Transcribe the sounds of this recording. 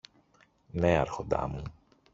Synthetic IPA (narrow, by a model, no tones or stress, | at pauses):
neɐɾxo̞nd̪ɐ̰mu